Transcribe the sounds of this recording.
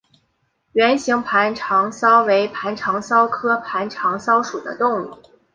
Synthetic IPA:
ɥɛ˧˥nɕi˧˥ŋpʰa˧˥nʈ͡ʂʰɑ˧˥ŋsɑ˥ʊwe˧˥ɪpʰa˧˥nʈ͡ʂʰɑ˧˥ŋsɑ˥ʊkʰɤ˥pʰa˧˥nʈ͡ʂʰɑ˧˥ŋsɑ˥ʊʂu˨˩d̪ə̰˦t̪ʊ˥˧ŋṵ˥˩

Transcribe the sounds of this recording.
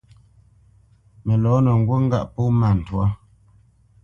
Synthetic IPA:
mɛ˨lɔ˨˦nə˨ŋ̩˨ɡwo˦ŋ̩˦ɡa˦˨ʔpo˦ma˨n̩˨twa˦

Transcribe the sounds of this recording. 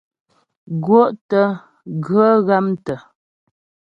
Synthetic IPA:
ɡwo˦ʔtə˦ | ɡə˦ɣa˦mtə˨

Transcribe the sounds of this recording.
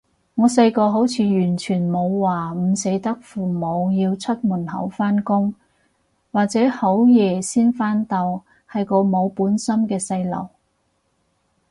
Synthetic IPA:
ŋɔː˨˧sɐ˧jkɔː˧ɦo˨˥wt͡sʰiː˨˧jyː˨˩nt͡ʃʰyː˨˩nmo˨˧wwaː˨˩m̩˨˧se˨˥jt̪ɐ˥k̚fuː˨˩mo˨˧wjiː˧wt͡sʰɵ˥t̚muː˨˩nhɐ̰˨˥wfaː˥nkʊ˥ŋ | waː˨k̚t͡sɛː˨˥ho˨˥wjɛː˨˩siː˥nfaː˥nt̪ɐ˧w | hɐ˨jko˧wmo˨˧wpuː˨˥nsɐ˥mkɛː˧sɐ˧jlɐ̰˨˩w

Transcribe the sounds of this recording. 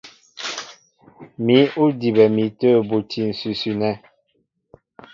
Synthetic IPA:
mi˨˦u˦di˨bɛ˨mi˨˦təː˦˨bu˨tʰi˨n̩˨sʉ˨sʉ˦nɛ˦

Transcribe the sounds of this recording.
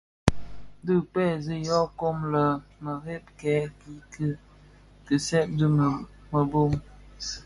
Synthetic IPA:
dɨ˦pɛ˦˨zi˦jɔ˦ko˦mlə˨mə˨ɣe˦p̚kɛ˨˦ki˦kɨ˦ | tɨ˨sɛ˦p̚də˦ | mə˨bo˦˨m

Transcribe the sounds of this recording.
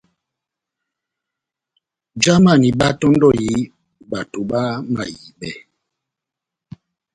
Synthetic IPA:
d͡ʒa˦ma˦˨ni˨ba˦tɔ˦ndɔ˦˨ji˨˦ | ba˨tu˨ba˦ma̰˨ji˨bɛ̰˦˨

